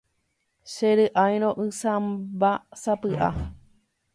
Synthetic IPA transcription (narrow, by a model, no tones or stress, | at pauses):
ʃeɾɨʔajɾ̃õʔɨ̃sãmbasapɨʔa̰